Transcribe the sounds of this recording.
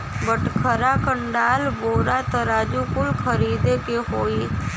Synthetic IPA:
bəʈkʰəɾaːkəɳɖaːlboːɾaːt̪əɾaːd͡ʒuːkʊlkʰəɾiːd̪eːkeɦoːiː

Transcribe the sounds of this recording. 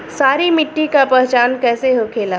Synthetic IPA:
saːɾimɪʈːikapɛɦt͡ʃaːnkɛːseɦokʰeːlaː

